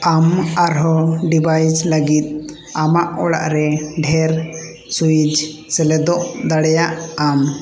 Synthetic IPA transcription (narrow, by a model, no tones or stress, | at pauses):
amaɾɦɔɖibʱajsləɡit̪̚ | amaʔɔɽa̰ʔɾɛɖʱɛɾ | sujid͡ʒ | sɛlɛd̪ɔʔd̪aɽɛjaʔam